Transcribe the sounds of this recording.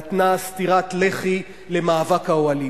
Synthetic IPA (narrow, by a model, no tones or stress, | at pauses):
t̪nastiʁatleχi | le̞maːvakhaoali